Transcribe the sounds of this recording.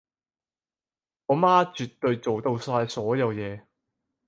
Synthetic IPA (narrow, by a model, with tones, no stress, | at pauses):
ʔɔː˨˧˥maː˥t͡ʃyː˨t̪ːɵ˧ɥt͡so˨wt̪o˧wsaː˧jsɔː˨˥jɐ˨˧wjɛː˨˧